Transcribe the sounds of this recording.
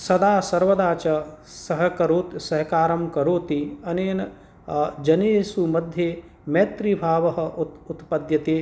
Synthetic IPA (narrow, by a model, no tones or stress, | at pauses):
sɐd̪aːsɐɾʋɐd̪aːt͡ʃɐ | sɐɦɐ̆kɐɾoːt̪sɐɦɐkaːɾɐmkɐɾoːt̪iɐneːnɐ | d͡ʒɐneːsumɐd̪ʱjeː | mɐjt̪ɾibʱaːʋɐɦɐ̆ut̪ut̪pɐd̪jɐt̪eː